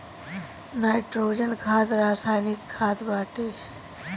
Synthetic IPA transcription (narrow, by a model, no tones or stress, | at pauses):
naːjʈɾoːd͡ʒənkʰaːt̪ɾaːsaːjnikʰːaːt̪ʰbaːʈeː